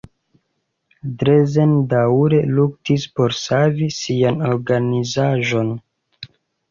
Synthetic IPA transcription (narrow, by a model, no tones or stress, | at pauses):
dɾezendauɾe̞luk̚tispo̞ɾsavisiano̞ɾɡanizaʒo̞n